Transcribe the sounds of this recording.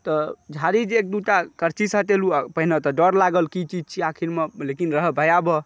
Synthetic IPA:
t̪ɔd͡ʒʱaɾid͡ʒek̚d̪uʈakəɾt͡ʃisət̪elupəɦinət̪ɔɖɔɾlaɡəlkit͡ʃid͡ʒt͡ʃʰiakʰiɾmelekinɾəɦbʱəjabɔ

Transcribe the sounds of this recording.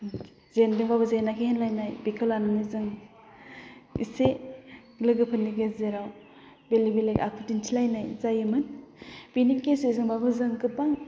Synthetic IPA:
zendɯŋbaβɯzajnakʰehenlajnajbikʰɯlanɯnɯzɯŋ | ḭse | lɯɡɯpʰɯnːiɡeszeɾaw | belibelekakʰɯtintʰilajnajzajɯmɯnb̥inipkesɯzɯŋbabɯzɯŋkɯt̚baŋ

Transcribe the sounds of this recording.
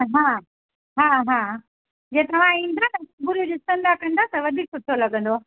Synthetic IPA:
ɦaː | ɦaːɦãː | d͡ʑeːt̪ɐʋ̤ãĩːn̆d̪anɐbʊɾjud͡ʑost̪ɐ̃nd̪akɐ̃nd̪at̪ɐʋɐd̪ʱiːksʊʈ̪ʰolɐɡə̃nd̪oa

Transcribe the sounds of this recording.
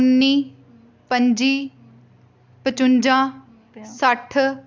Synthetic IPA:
nːiː | pəɲd͡ʒiː | pət͡ʃʊnd͡ʒãː | səʈʰ

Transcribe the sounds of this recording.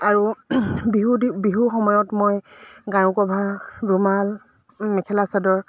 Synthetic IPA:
aɹubiɦudibiɦuxɔmɔjɔtmojɡãɹʊkɔbʱadumal | mɛkʰɛlasadɔɹ

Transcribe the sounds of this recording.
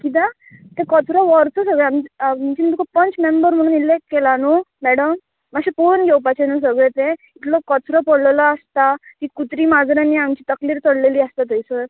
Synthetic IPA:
kit̪̬ã | t̪ẽkɔt͡sɾɔʋɔɾt͡sɔsəɡɭeammt͡ɕimət̪ukɔpənt͡smembəɾm̤əɽ̃ːnilekːelanomɛɽəmː | aɕiponɡʱɛwpat͡ɕenos̬əɡɭet̪ẽ | it̪lɔkɔt͡sɾɔpəɽllaast̪at̪iːkut̪ɾiːmad͡zɾãnːiamt͡ɕiːt̪əkliːɾt͡səɽleliːəst̪at̪əjsə

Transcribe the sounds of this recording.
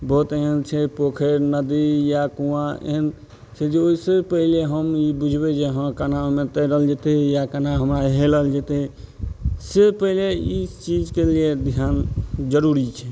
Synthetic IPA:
bɔːt̪eɦənt͡ʃʰɛpokʰeɾnəd̪ijakũãḛɦən | t͡ʃʰɛd͡ʒeoisəpəɦileɦəmibud͡ʒʱbed͡ʒeɦə̃kanamet̪əɾəɦəld͡ʒet̪ejakənaɦəmɾaɦeləɦəld͡ʒet̪e | sepəɦileit͡ʃid͡ʒkelied̪ʱjand͡ʒəɾuɾit͡ʃʰɛ

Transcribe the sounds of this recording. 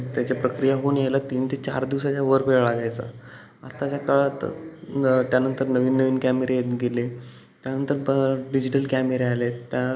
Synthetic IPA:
t̪jat͡ɕapɾəkɾijaɦoːnjelat̪iːnt̪ʰiːt͡ɕa̰ɾd̪iʋsat͡ɕjaʋəɾpeɭɭaɡajt͡sə̰ | əst̪at͡ɕakaɭat̪ | t̪janənt̪əɾnəʋiːnːəʋiːnkæmeɾejet̪ɡele | t̪janənt̪əɾɖid͡ʑiʈəlkæmeɾealet̪ja

